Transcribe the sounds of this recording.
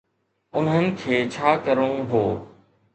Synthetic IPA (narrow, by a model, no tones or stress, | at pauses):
ʊn̤ɦənɪ̆kʰeːt͡ɕʰaːkəɾũɦoː